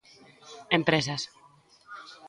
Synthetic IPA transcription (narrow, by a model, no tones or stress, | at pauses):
empɾesas